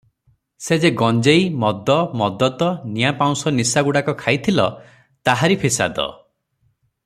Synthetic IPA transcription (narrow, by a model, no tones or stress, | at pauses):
sed͡ʒeɡɔnd͡ʒejmɔd̪ɔmɔd̪ɔt̪ɔnijapaw̃sɔnisaɡuɽakɔkʰajt̪ʰilɔ | t̪aɦaɾipʰisa̰d̪ɔ̰